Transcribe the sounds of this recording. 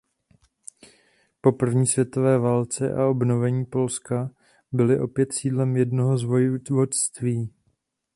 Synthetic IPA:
po̞pr̩vɲiːsvjɛt̪o̞vɛːvaːlt͡sɛʔa̰o̞bno̞vɛɲiːpo̞lska | bɪlɪʔo̞pjɛt̪siːdlɛmjɛdno̞ɦo̞zvo̞jɪvot̪st̪viː

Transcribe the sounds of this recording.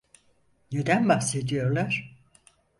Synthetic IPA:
ne̞d̪ænbahse̞d̪ijo̞ɾlˠaɾ̥

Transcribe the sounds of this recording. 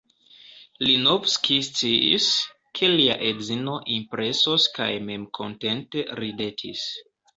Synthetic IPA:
linovskist͡siḭs | kʰe̞lia̰ʔedzino̞ʔimpɾe̞soska̰jme̞mkʰo̞̰nte̞nte̞ɾide̞tʰḭs

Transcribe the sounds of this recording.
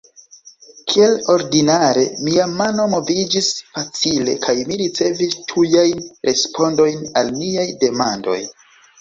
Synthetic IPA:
kʰie̞lo̞ɾdinaɾe̞miamano̞mo̞vid͡ʒisfat͡sile̞̰kʰajmiɾit͡se̞vistʰujajnɾʔe̞spʰo̞ndo̞jnalmiajde̞mando̞̰j

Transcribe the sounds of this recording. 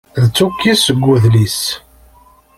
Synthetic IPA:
ðt͡sːukːisəɡʷːuðlis

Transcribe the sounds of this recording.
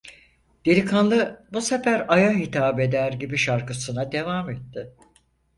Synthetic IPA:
d̪̥eɾʲikʰanlˠɯbuse̞fæɾajaɦit̪ʰaːbe̞d̪æɾɟibiʃaɾkɯsɯnad̪e̞vaːmɛt̪ːɪ

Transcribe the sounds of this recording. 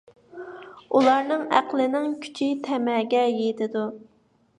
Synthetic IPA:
ulˠɑɾnɨŋæ̰qlˠɪnɪŋkʲʰy̥t͡ʃʰit̪ʰɛmɛːɡʲɛjet̪ʰɪd̪u

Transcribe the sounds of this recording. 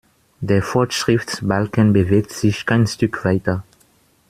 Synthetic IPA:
deːɐfɔɐtʃʁ̥ɪftsbalkənbəveːk̚tz̥ɪçkʰaɪnʃtʏkʰv̥aɪtɐ

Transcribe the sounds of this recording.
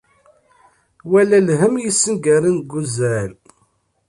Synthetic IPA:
wælælɦəmjisːənɡæɾinɡuzæl

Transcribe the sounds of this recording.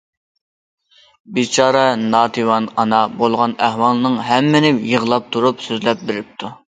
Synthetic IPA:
bit͡ʃʰɑːɾɛnɑːt̪ʰiwɑnɑnɑbolˠʁɑnæhwɑlˠɨnɨŋɦɛmːɪnɪjəʁlˠɑp̚t̪ʰuɾupsøzlɛp̚bɪɾɪp̚t̪ʰu

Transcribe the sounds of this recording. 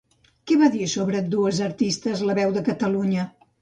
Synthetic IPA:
kɛβaðisoβɾəd̪uəzəɾt̪ist̪əzləβɛwðəkət̪əluɲə

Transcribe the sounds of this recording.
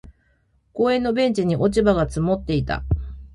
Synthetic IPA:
ko̞ːẽ̞nːo̞bẽ̞ɲ̟t͡ɕiɲ̟iʔo̞t͡ɕibaɡat͡sɨmo̞t̪ːe̞it̪a̰

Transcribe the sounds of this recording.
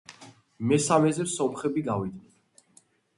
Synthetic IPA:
mɛsamɛzɛɾsɔmχɛbiɡavid̪nɛn

